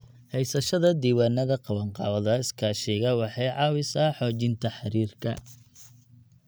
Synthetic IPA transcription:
hɛjsɐʃɐðɐd̪iːwaːnɐðɐqɑwɐɴqɑːwɐðɐɪskʰaːʃɛːɣɐwɑħɑjʕɑːwɪsaːħɔːt͡ʃɪnt̪ʰɐħɑɾiːrkʰɐ̰

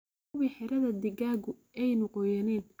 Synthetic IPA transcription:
wiːħɛɾɐðɐd̪ɪɡaːɡʊ | ɛjnɔqɔːjɐnɛːn

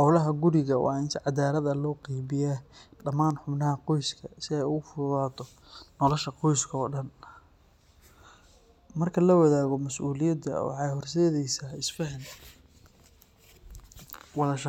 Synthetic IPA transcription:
ħɑwlɐɦɐɡʊɾɪɣɐwʔɑ̰ːɪnt̪ʰɛʕɑd̪aːlɐðɐlɔːqijβɪjaːɖɐmaːnħʊbnɐɦɐqɔjskʰɐsɪɛjʊɣʊfʊðaːt̪ʰɔ | nɔlɔʃɐqɔjskʰɐɔːɖɐn | mɐrkʰɐlɐwɐðaːɣɔmɐsʔuːlɪjɐd̪ɐ̰wɑ̰ħɑjhɔrs̬ɛːðɛjsaːɪsfɛħɪn | wɑlɐʃ

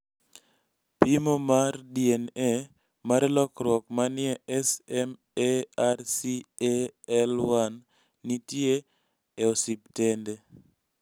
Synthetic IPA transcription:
pimomardiɛnɛ | maɾɛlɔkɾwɔkmanɪɛɛsɛm | earsieɛlwanː | itje | eosiptende

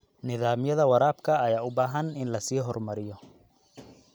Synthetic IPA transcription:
nɪðaːmjɐðɐwɐɾaːbkʰɐːjaːʊbaːɦɐnɪnlɐsiːɦɔrmɐɾɪjɔ

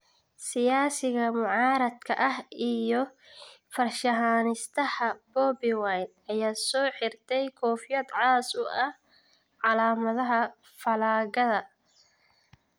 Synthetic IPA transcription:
sɪjaːsɪɣɐmʊʕɑːɾɐd̪kʰɐ̰ʔɐhijɔ | fɐrʃɐɦaːnɪst̪ʰɐhɐb̥ɔːbɪwajn | ɐjaːsɔːħɪrt̪ʰɛjkʰɔːfjɐd̪ʕɑːsʊʔɐh | ʕɑlaːmɐðɐɦɐ | fɐlaːɣɐðɐ

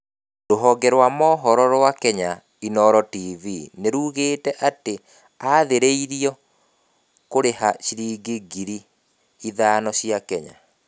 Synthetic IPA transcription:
doɦɔɡɛɾwamɔːɦɔɾɔɾwakɛɲa | inɔɾɔtivineɾuɣeːtɛʔate | aðeɾeiɾiɔ | koɾeɦaɕiɾiːɡeɡiɾiː | ðaːnɔɕiakɛɲa̰

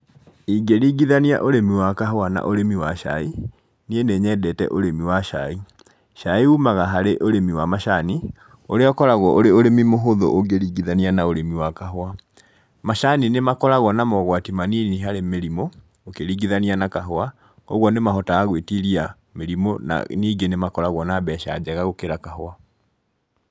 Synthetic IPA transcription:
iɡeɾiɡiðania̰ʔoɾemiwakaɦoana̰ʔoɾemiwaʃa̰i | nieneɲɛdɛtɛ̰ʔoɾemiwaʃai | ʃaiumaɣaɦaɾeʔoɾemiwamaʃani | oɾeɔkɔɾaɣɔʔoɾeoɾemimoɦoðo̰ʔoɡeɾiːɡiðanianaoɾemiwakaɦoa | maʃaninemakɔɾaɣwɔnamɔɣwatimaniniɦaɾemeɾimo | okeɾiːɡiðanianakaɦoa | o̰ɣwɔnemaɦɔtaːɣwetiɾia | meɾimona̰niːɡenemakɔɾaɣwɔnabɛʃa̰d͡ʑɛɣaɣokeɾakaɦoa

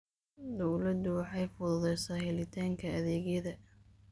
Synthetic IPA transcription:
d̪ɔwlɐd̪ʊwɑħɑjfʊðʊðɛjsaːhɪlɪt̪ʰaːŋkʰɐɐðɛːɣjɐðɐ

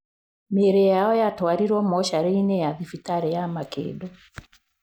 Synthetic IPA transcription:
meɾejaɔjatwaɾiɾwɔmɔʃaɾɛinɛjaðifitaɾɛjamakḛdɔ

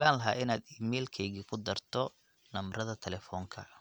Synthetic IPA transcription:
laːnlɐɦaːʔɪnaːd̪iːmɛːlkʰɛjɣiːkʰʊd̪ɐrt̪ʰɔ | nɐmrɐðɐt̪ʰɛlɛːfɔːŋkʰɐ

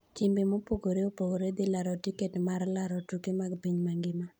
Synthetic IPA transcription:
t͡ʃimbemopoɡoɾeopoɡoɾed̪ɪlaɾɔtiketmaɾrlaɾɔtukemaɡpiɲmaŋɡɪma

